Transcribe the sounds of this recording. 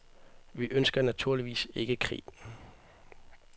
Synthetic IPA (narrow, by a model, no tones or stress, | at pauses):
ʋiʔønsɡ̥ɐnæt͡sʰuɐ̰liʋḭːse̝ɡ̥əkʰʁḭː